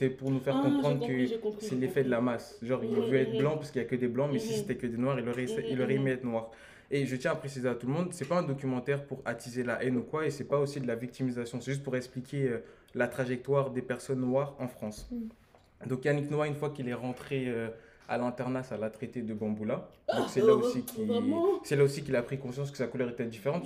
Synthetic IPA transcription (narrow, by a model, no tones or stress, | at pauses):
sɛpuʁnufɛʁkɔ̃pχɑ̃d̪ʁkəsɛlefɛd̪əlamasʒɑ̃ʁilɛvyɛt̪χblɑ̃paʁsəkiljakəd̪eblɑ̃mɛsiset̪ɛkʲəd̪enwaʁilɔʁɛsɛilɔʁɛemɛɛt̪nwaːʁ | eʒət̪jɛ̃apχesizeat̪ulmɔ̃d̪sɛpaɛ̃d̪ɔkʲymɑ̃t̪ɛʁpuʁat̪izelaʔɛnukwaesɛpaosid̪əlavik̚t̪imizasjɔ̃sɛʒyst̪̚puʁɛksplikʲʰeø | lat̪χaʒɛk̚t̪waʁd̪epɛʁsɔnːwaʁɑ̃fχɑ̃s | d̪ɔ̃kjaniknwaynfwakilɛʁɑ̃t̪χeø | a̰lɛ̃t̪ɛʁnasalat̪χet̪ed̪əbɑ̃bulad̪ɔ̃ksɛlaosikʰʲisɛlaosikʲilapχikɔ̃sjɑ̃s̬kə̥sakulœʁet̪ɛd̪ifeʁɑ̃t̪